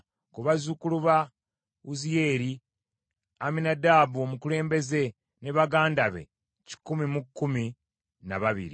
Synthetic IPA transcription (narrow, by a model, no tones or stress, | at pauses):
kuβazukuluβa | uzije̞ːɾi | aminadaːβuomukule̞ːmbe̞ze̞ | ne̞βaɡaːndaβe̞̰ | ci̥kːumimukːumi | na̰βaβḭɾi